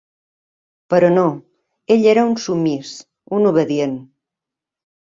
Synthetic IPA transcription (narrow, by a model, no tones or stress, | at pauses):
pəɾɔno | eʎeɾəunsumːis | unuβəðien